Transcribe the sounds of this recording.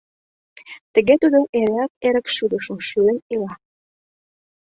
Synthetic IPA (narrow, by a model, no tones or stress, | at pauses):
t̪ə̆ɣet̪ud̪oʔeɾeæk̚eɾə̆kʃud̪əʃə̆mʃyənilɑ